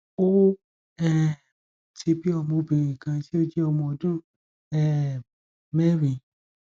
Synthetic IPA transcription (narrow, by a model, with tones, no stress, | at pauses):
o˦ | ɛ˦ | ti˧bi˦ɔ˧mõ˧bĩ˨ɾĩ˨kã˧ti˦o˦d͡ʒe˦ɔ˧mɔ̃˧ɔ˧dũ˦ | ɛ˦˨ | mɛ˦ɾĩ˨˧